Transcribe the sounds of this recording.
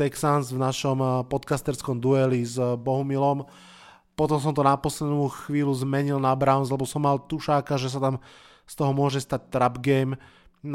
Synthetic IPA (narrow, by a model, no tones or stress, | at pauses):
ɛksansvnaʃɔmpɔt̪kast̪ɛɾskɔmd̪uɛlizbɔɦumilɔm | pɔt̪ɔms̬ɔmt̪ɔnapɔslɛd̪nuːxʋiːluzmɛɲilnabɾaʊnslɛbɔsɔmːalt̪uʃaːkaʒɛs̬at̪am | st̪ɔɦɔmʊɔʒɛst̪ac̚t̪ɾabɡɛjm